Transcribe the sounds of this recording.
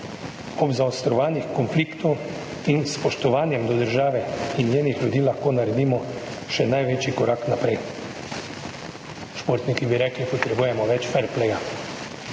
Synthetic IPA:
ɔbzaɔst̪ɾɔʋaːnixkɔnfliːkt̪ɔw | inspɔʃt̪ɔʋaːnjɛmd̪ɔd̪əɾʒaːʋɛinjeːnixlʲjud̪iːlaxkoːnaɾɛd̪iːmɔ | ʃɛnajʋet͡ʃikɔɾaːknapɾɛj | ʃpoɾt̪nikibiɾɛːklipɔt̪ɾɛbuːjɛmɔʋɛt͡ʃfɛɾplɛja

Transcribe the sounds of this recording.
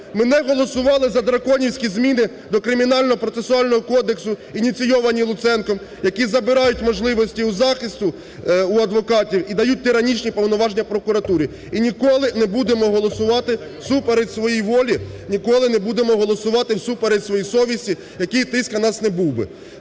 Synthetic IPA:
mɪnɛɦɔlˠɔsʊʋɑlˠɪzɐd̪ɾɐkɔnʲiwsʲkʲizmʲinɪ | d̪ɔkɾɪmʲinɑlʲnɔɔpɾɔt̪sesʊɑlʲnɔɦɔkɔd̪e̞ksʊinʲit̪sʲijɔʋɐnʲilˠʊt̪sɛnkɔm | jɐkʲizɐbɪɾɑjʊtʲmɔʒlˠɪʋɔsʲtʲiuzɑxɪst̪ʊ | uɐd̪ʋɔkɑtʲiwid̪ɐjut̚ʲt̪ɪɾɐnʲit͡ʃnʲipɔwnɔʋɑʒnʲːɐpɾɔkʊɾɐt̪uɾʲi | inʲikɔlˠɪnɛbud̪emɔɦɔlˠɔsʊʋɑt̪ɪ | supeɾesʋɔjijʋɔlʲinʲikɔlˠɪnɛbud̪emɔɦɔlˠɔsʊʋɑt̪ɪwsupeɾetʲsʋɔjisɔʋʲisʲtʲi | jɐkijt̪ɪskɐnɑsnɛbuwbɪ̰

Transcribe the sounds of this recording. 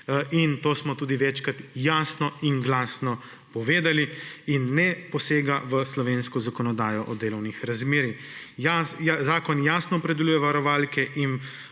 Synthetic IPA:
int̪oːsmɔt̪uːd̪iʋɛt͡ʃkat̪jaːsnɔinɡlaːsnɔ | pɔʋeːd̪aliinːɛpɔseːɡaʋəslɔʋeːnskɔzakɔnɔd̪aːjɔʔɔd̪eːlɔwnixɾazmeːɾi | jazaːkɔnjaːsnɔpɾɛd̪ɛlujɛʋaɾɔʋaːlkɛʔin

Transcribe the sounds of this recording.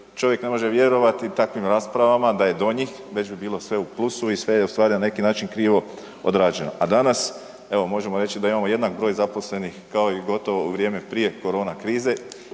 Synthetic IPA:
t͡ʃo̞ʋje̞kne̞mo̞ʒeʋje̞ɾo̞ʋat̪it̪akʋimɾaːspɾaʋamad̪aje̞d̪o̞ɲix | ʋe̞d͡ʑbibiːlˠo̞sʋe̞uplˠusuisʋe̞jeust̪ʋaːɾinane̞kinaːt͡ʃinkɾiːʋo̞ | od̪ɾaːd͡ʒe̞no̞̰ʔad̪anas | e̞ʋo̞mo̞ʒe̞moɾe̞t͡ɕt͡ʃid̪aimaːmo̞je̞d̪nakbɾo̞ːjzapo̞sle̞nixkao̞iɡo̞t̪o̞ʋouʋɾʲje̞ːme̞pɾije̞ko̞ɾo̞ːnakɾiːze̞

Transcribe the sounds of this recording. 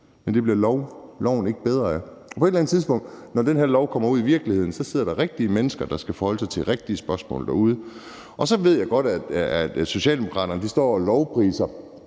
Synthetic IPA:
mend̥e̝b̥liɐʊlɒʊn̩e̝ɡ̥əb̥eð̞ˠʁɐæ | ʔɒ̽pʰɒ̽e̝dlæn̩ˠt͡sʰiðˠsb̥ɔ̽ŋ̰d̥nɒd̥enɦæɐlɒʊkʰɒ̽m̰ɐuð̰ˠiʋiɐɡ̥lihe̝ð̞̰ˠn̩sɒ̽seð̰ˠɐɾ̥ɑ̈ʁeɡ̥̚d̥iəmenəsɡ̥ɐd̥ɑ̈sɡ̥æfɒːhɒ̽ləsɑ̈ɪt͡sʰe̝ʁeɡ̥̚d̥iəsb̥ɶɐsmɔ̰̽ːld̥ɑ̈ːuð̞ˠə | ʔɒ̽sɒ̽ʋe̝ð̞̰ˠjɑ̈ɪɡ̥ɒ̽ɾ̥æ̥ | so̝ɕɛ̰ːld̥emo̝kʰʁɑ̈ːɾ̥ɐnəd̥isd̥ɒ̰ːɒlɒʊpʰʁḭːsɐ

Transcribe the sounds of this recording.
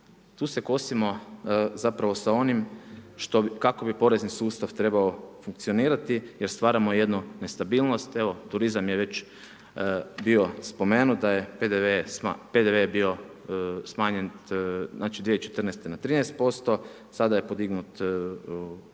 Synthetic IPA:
t̪uːse̞ko̞simo̞zapɾaʋo̞sao̞nimʃt̪o̞kako̞bipo̞ɾe̞znisuːst̪aʋt̪ɾe̞baofuŋk̚t̪sio̞niːɾat̪ijeɾst̪ʋaːɾamoje̞d̪nune̞st̪abiːlˠno̞st̪e̞ʋo̞t̪uɾizamjeʋe̞t͡ʃ | bio̞spo̞me̞ːnut̪d̪ajeped̪eʋeaped̪eʋebio̞ | smaːɲennaːt͡ʃid̪ʋet͡ʃe̞t̪ɾrnest̪enat̪ɾiːnɛjst̪̚po̞st̪o̞ | sad̪ajepo̞d̪iɡnut̪

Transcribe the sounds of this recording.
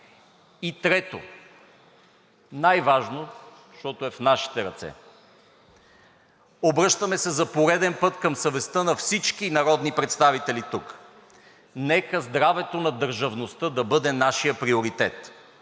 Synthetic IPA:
it̪ɾɛt̪o̰ | najvaʒno | ʃt̪ɔt̪oɛfnaʃi̥t̪ɛɾɐt̪sɛ̰ | obɾɤʃt̪əmɛsɛzɐpoɾɛd̪ɛnpɤt̪kɐmsɐvɛst̪ənɐfsit͡ʃkinɐɾɔd̪nipɾɛt̪st̪avit̪ɛlit̪uk | nɛkəzd̪ɾavɛt̪onɐd̪əɾʒɐvnost̪əd̪ɐbɤd̪ɛnaʃijəpɾioɾit̪ɛt̪

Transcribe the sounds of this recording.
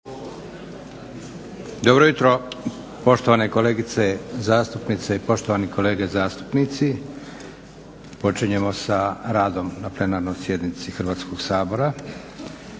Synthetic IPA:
d̪o̞bɾojut̪ɾo̞ | po̞ʃt̪o̞ʋaːne̞ko̞leːɡit̪se̞zaːst̪upnit̪seipo̞ʃt̪oʋaniko̞le̞ːɡezaːst̪u̥pnit̪si | po̞t͡ʃiɲe̞mo̞saɾaːd̪o̞mnaple̞naɾno̞jsje̞d̪nit̪sixr̩ʋaːt̪sko̞ɡ̥saːbo̞ɾa

